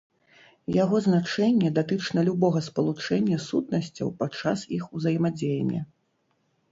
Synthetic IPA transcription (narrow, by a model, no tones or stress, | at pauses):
jaɣɔznat͡ʂɛnʲːɛd̪at̪ɨt͡ʂnɐlʲubɔɣɐspɐlˠut͡ʂɛnʲːɐsut̪̚nɐsʲt͡sʲɐ̰wpat͡ʂːasixuzɐjɛmad͡zʲejɛnʲːɛ̰